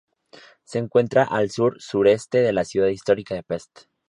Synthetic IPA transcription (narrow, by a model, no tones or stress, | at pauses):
se̞ːŋkwe̞nt̪ɾaʔalsuɾsuɾe̞st̪e̞ðe̞lasjuðaðist̪o̞ɾikaðe̞pest̪